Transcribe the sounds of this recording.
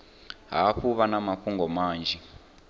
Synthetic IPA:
ɦaːɸuβanamaɸuŋɡɔmaːnd͡ʒɛ

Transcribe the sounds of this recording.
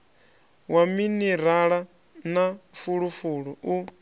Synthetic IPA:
waminiɾaɺa | nafuɺufuɺuu

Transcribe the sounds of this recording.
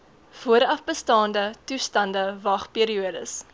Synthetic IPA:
fuəɾɐfbəstɑːndətustɐndəvɐχpiəɾiuədəs

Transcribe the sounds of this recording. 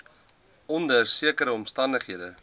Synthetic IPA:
ɔndərsiəkəɾəɔmstɐndəχɦiədə

